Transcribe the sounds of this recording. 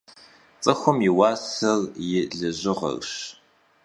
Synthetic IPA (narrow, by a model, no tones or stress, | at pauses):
t͡sʼɐxʷʊmjɪwɑːsɐrjɪɮɨʑɪʁɐ̰rɕ